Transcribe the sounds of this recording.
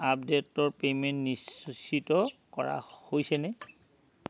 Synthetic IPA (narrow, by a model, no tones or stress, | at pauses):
ap̚detːɔɹpementnissitɔkɔɹa̰hojsɛnɛ